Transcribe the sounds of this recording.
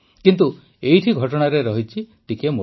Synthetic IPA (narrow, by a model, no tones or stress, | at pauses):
kint̪u | ejʈʰiɡʱɔʈɔɽ̃aɾeɾɔɦit͡ʃʰiʈikemo